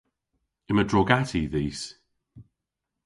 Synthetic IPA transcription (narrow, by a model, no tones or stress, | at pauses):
ɪmədɹɔɡatʰiðiːs